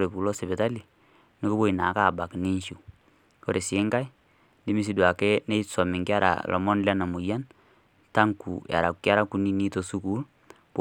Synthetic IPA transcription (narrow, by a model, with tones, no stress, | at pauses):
ɾe˨pu˨lɔ˦se˨βɛ˨ta˦li˨ | ni˦ku˦bo˦i˨na˨˦ka˦˨ba˨kni˦nʃu˨ | ko˨ɾe˨se˦ŋka˦i˦ | di˦mi˨s̬i˨dwa˨kɛ˦ne˦sɔ˨mi˨ŋki˦a˦ɾa̰˨lʔɔ̰˨mɔ˦nla˦na˨mu˨ja˦n | ta˦ŋkṵ˨ja̰˨ɾa˨ku˨kja˦ɾa˦ku˦ni˦ni˦to˨su˦ku˦l | p